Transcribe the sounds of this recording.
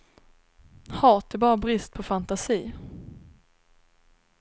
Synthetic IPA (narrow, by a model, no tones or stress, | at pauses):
hɑːt̪ɛbɑːɾabɾɪst̪̚pʰɔfant̪asiː